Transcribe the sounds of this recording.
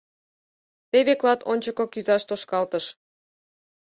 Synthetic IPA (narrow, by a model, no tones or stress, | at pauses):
t̪eβeklɑt̪onʲt͡ɕəkokyzɑʃt̪oʃkɑlt̪əʃ